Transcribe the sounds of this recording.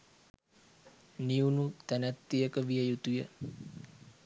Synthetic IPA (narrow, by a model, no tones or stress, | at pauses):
niunut̪ænæt̪ːijəkəʋijəjut̪ujə